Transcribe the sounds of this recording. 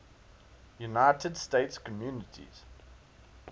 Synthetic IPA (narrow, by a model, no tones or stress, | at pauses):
junaɪtʰədsteɪtskʰɔmjuːnətʰḭz̥